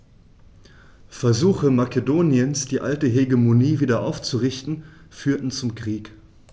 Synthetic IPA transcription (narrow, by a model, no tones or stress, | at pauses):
fɛɐzuːxəmakedoːnjənsd̥iːʔa̰ltəɦeɡemoniːviːdɐʔa̰ʊft͡suʁɪçtn̩fyːɐtn̩t͡sʊmkʁ̥iːk